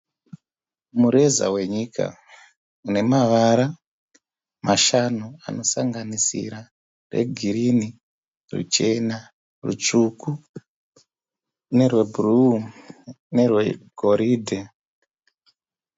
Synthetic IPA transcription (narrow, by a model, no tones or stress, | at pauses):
muɾe̞za̰we̞ɲikʰa̰ | une̞maʋaɾa | maʃanua̰no̞saŋɡanisḭɾa | rḛɡʱiɾini | rṵt͡ʃe̞na | rṵt͡ʃuku | ne̞rwe̞bʱuru | ne̞rwe̞ɡʱo̞ɾiːdʱe